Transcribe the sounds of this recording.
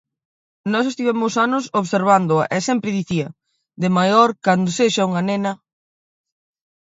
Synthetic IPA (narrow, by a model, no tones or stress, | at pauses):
nɔsest̪iβɛmʊsanʊsoβseɾβ̞and̪ʊɐ̰ʔɛsɛmpɾɪðiθiɐ | d̪emajɔɾkand̪oseʃɐuŋanenɐ